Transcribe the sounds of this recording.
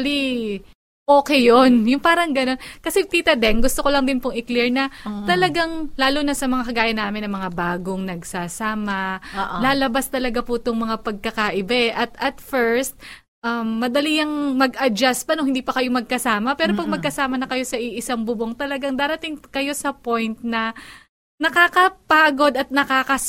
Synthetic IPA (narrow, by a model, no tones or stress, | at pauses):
li | ʔoːkɛjonjʊŋpaːɾɐŋɡɐno̞nkɐsɛt̪iːt̪ɐd̪ɛŋɡʊst̪o̞kolɐŋd̪ɪnpoŋɪkliɹnɐt̪ɐlɐɡaŋlaːlunɐsɐmɐŋakɐɡaːjɐnːaːmɪnːɐŋmɐŋabaːɡoŋnɐɡsaːsaːmɐlaːlɐbast̪ɐlɐɡapʊt̪oŋmɐŋapɐɡ̚kɐkaʔɪbaʔɛʔɐt̪ɐt̪fɛɹst̪̚ | ʔɐmːɐd̪ɐlijɐŋmɐɡʔɐd͡ʒaspɐnohɪnd̪iːpɐkɐjo̞mɐɡ̚kɐsaːmɐpɛːɾopɐɡ̚mɐɡ̚kɐsaːmɐnɐkɐjo̞sɐʔɪʔɪsaŋbʊboŋt̪ɐlɐɡaŋd̪aːɾɐt̪ɪŋkɐjo̞sɐpo̞jnt̪̚nɐ | nɐkaːkɐpaɡo̞d̪ɐt̪̚nɐkaːkɐ